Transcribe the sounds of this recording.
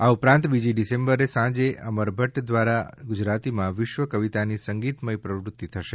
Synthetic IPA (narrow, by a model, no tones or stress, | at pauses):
aupɾãnt̪bid͡ʒiɖisẽmbəɾesãd͡ʒeʔəməɾbʱəʈd̪ʋaɾaɡʊd͡ʒɾat̪imãʋɪʃʋəkəʋit̪anisəŋɡit̪məjpɾəʋɾʊt̪ːit̪ʰəʃe